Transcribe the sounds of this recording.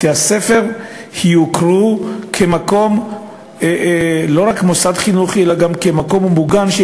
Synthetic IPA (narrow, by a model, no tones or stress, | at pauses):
t̪iasefe̞ʁhijukʁukʰemako̞m | elo̞ʁakmo̞sad̪χinuχielaɡamkemako̞mmuɡamʃ